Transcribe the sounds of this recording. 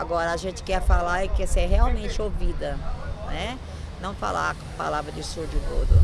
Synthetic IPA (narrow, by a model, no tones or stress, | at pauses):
aɡɔɾɐaʒẽnt͡ʃɪ̥kɛfalaɾkesɛɦeawmẽnt͡ʃɪovid̪ɐnɛ | nɐ̃w̃fa̰la̰ | pa̰lavɾɐd͡ʒɪsuɾd͡ʒʊt̪od̪ʊ